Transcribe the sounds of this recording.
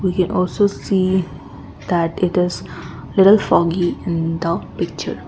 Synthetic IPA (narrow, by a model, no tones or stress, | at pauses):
ʋiːkɛ̃nʔɔːlsosiː | d̪æʈɪʈɪz | lɪʈəlfɔːɡiɪ̃nd̪əpɪk̚t͡ʃə̰ɾ